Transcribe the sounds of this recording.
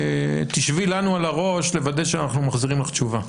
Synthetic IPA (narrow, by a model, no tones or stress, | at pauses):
t̪iʃvilanualaʁo̞ʃle̞vad̪eʃeanaχnumaχziʁimleχt͡ʃuva